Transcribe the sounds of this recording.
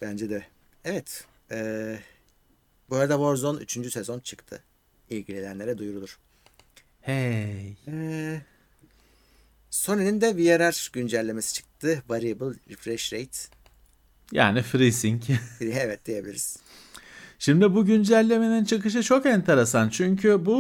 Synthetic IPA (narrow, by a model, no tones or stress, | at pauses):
b̥ænd͡ʒɛd̪ɛ | evɛt̪ | ɛː | boɾad̪aboɾzony̰t͡ʃʰynd͡ʒysezo̞nt͡ʃʰɯ̥kt̪ʰɯ̰ | ilʲɟilʲelænlʲe̞ɾɛd̪ujuɾud̪uɾ̥ | hejɛː | so̞nelʲind̪ɛbijaɾaɾ̥ɟynd͡ʒælʲːe̞me̞si̥t͡ʃʰɯ̥k̚t̪ʰɯvaɾibɯlˠɾifɾɛʃɾejt̪ | ja̰ːnifɾisiɲcevɛt̪̚d̪ijebilʲiɾiz̥ | ʃimd̪ibuɟynd͡ʒælʲːe̞me̞nint͡ʃʰɯkɯʃ̬ɯt͡ʃʰo̞kɛnt̪ʰe̞ɾe̞sant͡ʃʰyɲcʰybu